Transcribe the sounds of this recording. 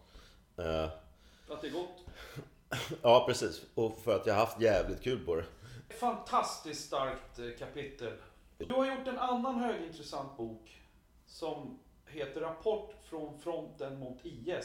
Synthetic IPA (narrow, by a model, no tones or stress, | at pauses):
at̪̚d̪ɛɡɔt̪ː | ɑːpʰɾɛsiːsɔfœɾat̪jaːhaɾhaft̪jæːvlɪt̪̚kʰʉ̟ːlpʰɔɾɛɛt̪fant̪ʰast̪ɪskst̪aɾkt̪kʰːapɪt̪ːəl | d̪ɵhaɾjʊʈːɛnanːanhøːɡɪnt̪ɾɛsant̪̚buːk | sɔm | heːt̪əɾːapʰɔʈːfɾɔnfɾɔnt̪ənmʊt̪iːɛs